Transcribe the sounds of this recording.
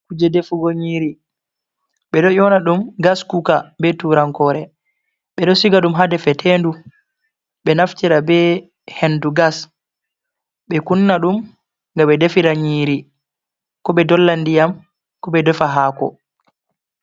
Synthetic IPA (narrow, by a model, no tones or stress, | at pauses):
kud͡ʒɛdefuɡɔɲiːɾi | ɓɛɗɔjɔnaɗumɡaskukabɛtuɾaŋkɔɾɛ | ɓɛɗɔsiɡaɗumɦadɛfɛtʰendu | ɓɛnaftiɾabɛ | henduɡas | ɓɛkunːaɗum | ŋɡaɓɛdefiɾaɲiːɾi | kɔɓɛdɔlːandijam | kɔɓɛdɛfaɦakɔ̰